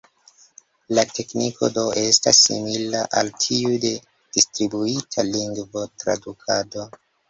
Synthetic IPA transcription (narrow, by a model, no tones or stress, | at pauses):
late̞kniko̰do̞e̞stasːḭmilaʔaltʰiude̞ | d̥istɾibuitʰaliŋɡvo̞tɾa̰dukʰado̞